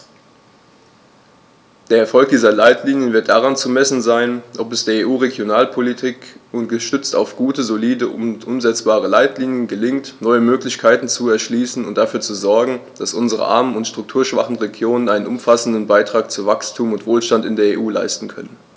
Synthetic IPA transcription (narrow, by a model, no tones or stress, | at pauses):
d̥eːɐɛɐfɔlk̚d̥iːzɐlaɪtʰliːnjənvɪɐt̚d̥aʁant͡sumɛsn̩zaɪnʔɔpɛsd̥eːɐeːʔuːʁeɡjonaːlpʰolitʰiːkʊntɡ̥əʃtʏt͡sta̰ʊfɡ̥uːtəzoliːdəʔʊntʔʊmzɛt͡sb̥aːʁ̞əlaɪtliːnjənɡəlɪŋtnɔʏəmøːklɪçkʰaɪtn̩t͡suɛɐʃliːsn̩ʊnt̚d̥afyːɐt͡suzɔɐɡŋ̩d̥asʔʊnzəʁə̰ʔa̰ɐmənʊntʃtʁ̥ʊk̚tʰuːɐʃv̥a̰χn̩ʁeɡjoːnənʔaɪnənʊmfasn̩dən̩baɪtʁ̥aːk̚t͡suvakstʰuːmʊntv̥oːlʃtantɪndeːɐeːʔuːla̰ɪstn̩kʰœ̰nən